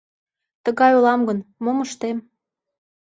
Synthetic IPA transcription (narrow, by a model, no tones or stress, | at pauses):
t̪əɣɑjolɑmɡənmoməʃt̪em